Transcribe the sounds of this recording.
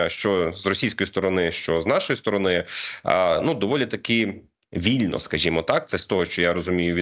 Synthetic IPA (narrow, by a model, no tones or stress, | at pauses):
ʃt͡ʃɔzrɔsʲijsʲkɔjist̪ɔɾɔnɪʃt͡ʃɔznɑʃɔjist̪ɔɾɔnɪ̰ | nud̪ɔʋɔlʲit̪ɐkɪ | ʋʲilʲnɔ̰skɐʒʲimɔt̪ɑk̚t̪sɛst̪ɔɦɔʃt͡ʃɔjaɾɔzʊmʲijʊʋʲi